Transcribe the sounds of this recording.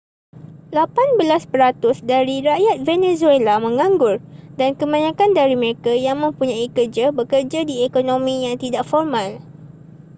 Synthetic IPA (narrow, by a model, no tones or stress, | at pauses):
lapanbəlaspəɾat̪ʊsdaɾiɾaʔjat̪̚venezuelamə̃ŋãŋɡʊrdankəmãɲãkandaɾiməɾekajaŋmə̃mpuɲãikərd͡ʒabəkərd͡ʒadiekonõmĩjaŋt̪idaʔfɔrmãl